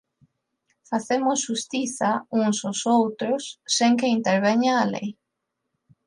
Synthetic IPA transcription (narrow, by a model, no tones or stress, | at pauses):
faθemʊsʃust̪iθauŋsosowt̪ɾʊsːeŋkeint̪eɾβ̞eɲaːlḛj